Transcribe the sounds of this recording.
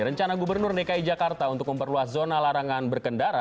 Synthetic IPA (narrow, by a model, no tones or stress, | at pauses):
ɾəɲt͡ʃanaɡubərnʊrnekaid͡ʒakart̪aunt̪ʊk̚məmpərluaszonalaɾaŋanbərkəndaɾa